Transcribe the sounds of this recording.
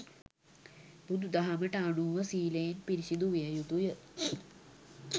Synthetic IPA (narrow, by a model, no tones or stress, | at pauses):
bud̪ud̪aɦaməʈəanuːʋəsiːlejenpiɾisid̪uʋijəjud̪ujə